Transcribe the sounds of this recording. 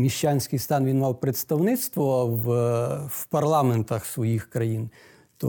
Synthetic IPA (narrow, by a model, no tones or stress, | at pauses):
mʲiʃt͡ʃanʲsʲkɪjst̪ɑnʋʲinmɑwpɾet̪st̪ɐwnɪt̪st̪ʋɔw | wpɐrlˠɑment̪ɐxsʋɔjixkɾɐjin | t̪ɔ